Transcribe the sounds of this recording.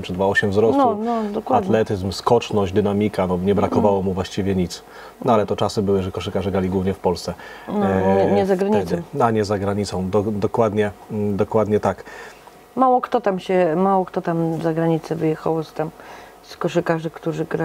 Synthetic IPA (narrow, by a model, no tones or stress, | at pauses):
mt͡ʂɨd̪vaɔɕɛmvzɾɔsnɔnɔd̪ɔkwaadt̪lɛt̪ɘzmskɔt͡ʂnɔɕd͡ʑd̪ɘnamʲikanɔɲɛbɾakɔvawɔmuvwaɕt͡ɕivʲjɛɲit̪s | nɔalɛt̪ɔt͡ʂasɘbɘwɘʐɛkɔʂɘkaʐɛɡɾalʲiɡwuvɲɛfpɔlst̪sɛ | ɛɲɛzaɡɾaɲiɛd̪ɔnaɲɛzaɡɾaɲit̪sɔ̃w̃d̪ɔd̪ɔkwad̪ɲɛd̪ɔkwad̪ɲɛt̪ak | mawɔkt̪ɔt̪amɕɛmawɔkt̪ɔt̪amzaɡɾaɲit̪sɛvɘjɛxawɔst̪am | skɔʂɘkaʐɘkt̪uʐɘɡɾa